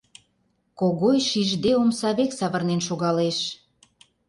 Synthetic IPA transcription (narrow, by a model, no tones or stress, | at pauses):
koɣojʃiʒd̪eomsɑβeksɑβərnenʃoɣɑleʃ